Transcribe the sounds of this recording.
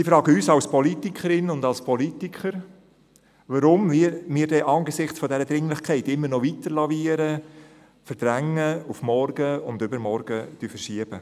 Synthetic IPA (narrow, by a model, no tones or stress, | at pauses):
sifɾɑːɡəyːsɑlspʰɔlitikχəɾɪnʊndɑlspʰɔlitikʰχəɾ | ʋəɾʊmɪmiːdɛʔɑːnɡəsɪχt͡sfɔdɛɾəd̪ɾɪŋlɪχkʰɛɪtɪmːəɾnɔvitəɾlɑviːəɾə | fəɾd̥ɾæŋːəufmɔɾɡ̥əʊndʏbəɾmɔɾɡ̥ətyfəɾʃiəb̥ə